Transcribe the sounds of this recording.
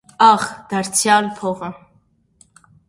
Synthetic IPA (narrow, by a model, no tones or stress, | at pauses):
ɑχd̪̥ɑɾt͡sʰjɑlpʰɔʁə